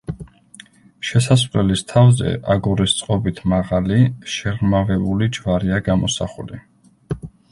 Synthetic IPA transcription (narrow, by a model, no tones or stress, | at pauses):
ʃɛsas̬χlɛlist̪ʰavzɛ̰ʔaɡɔɾist̪sʼqʼɔbit̪ʰmaʁaliʃɛʁmavɛbulid͡ʒvaɾiaɡamɔsa̰χuli